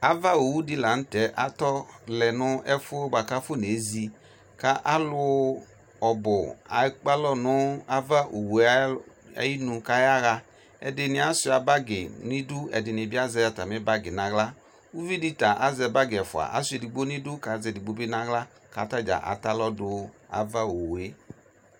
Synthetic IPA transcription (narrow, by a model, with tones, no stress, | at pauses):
a˨va˦o˨wu˦dɪ˦˧la˨n̩˦tɛ˨˦ʔa˨tɔ˦lɛ˨nʊ˦ɛ˦fʊ˦ba˨ka˦fo˦ne˨˦zi˧ | ka˦ʔa˦lʊ˧ | ɔ˨bʊ˨a̰˨˦k͡pa˦lɔ˦nʊ˨˦a˦va˦ʔo˨wu˨˦ | a̰˦ji˦nu˧ka˦ja˦ɣa˧ | ɛ̰˨dɪ˧nɪ˧˦a˨sʊ˧˦a˨ba˦ɡɪ˨nɪ̃˦du˦ɛ̰˨dɪ˨nɪ˨bɪ˦a˦zɛ˧ja˨ta˨mɪ˨˦ba˦ɡɪ˨nã˨ɣla˦ | u˦vi˦di˦ta˨ʔa˦zɛ˧ba˦ɡɪ˨ɛ˨fʊ˨a̰˨ʔa̰˨˦sʊ˦ɛ˨di˨ɡ͡bo˦ni˦dʊ˦ka˨˦zɛ˨di˨ɡ͡bo˦be˦nã˦ɣla˦ | ka̰˨˦ta˦d͡ʒa̰˨ʔa̰˨ta˦lɔ˦dʊ˧ | a̰˨va˦o˨we˦